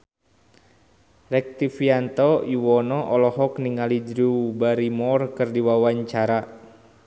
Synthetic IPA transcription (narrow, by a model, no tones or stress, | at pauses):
rɛk̚t̪ifiant̪ɔiwɔnɔʔɔlɔɦɔkniŋalid͡ʒɾubaɾimɔrkɨrdiwawaɲt͡ʃaɾa